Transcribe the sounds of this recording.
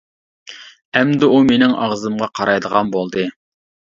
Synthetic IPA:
ɛmd̪ɪumenɪŋɑ̰ʁzɨmʁɑqʰɑɾɑjd̪əʁɑnbolˠd̪ɨ

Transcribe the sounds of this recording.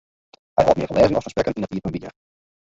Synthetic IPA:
hɛ̰jhɔ̰tmɪ̰əfəlʔɛːzənɔfə̥rspɾɛkəninətiːəfɔnbiə̰

